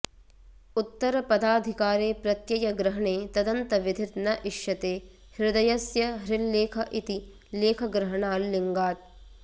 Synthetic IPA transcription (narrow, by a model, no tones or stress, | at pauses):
ut̪ːɐɾɐpɐd̪aːd̪ʱikaːɾeːpɾɐt̪jɐjɐɡɾɐɦɐɳeːt̪ɐd̪ɐnt̪ɐʋid̪ʱit̪nɐʔiʃjɐt̪eː | hɾɪd̪ɐjɐsjɐɦɾilːeːkʰɐʔit̪i | leːkʰɐɡɾɐɦɐɳaːlːiŋɡaːt̪̚